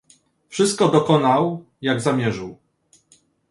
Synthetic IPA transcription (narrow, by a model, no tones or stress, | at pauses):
fʂɘst̪̚kɔd̪ɔkɔnaw | jaɡzamʲjɛʐɘw